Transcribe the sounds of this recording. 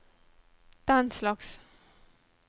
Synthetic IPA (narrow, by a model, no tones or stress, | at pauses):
d̪̥anslɑks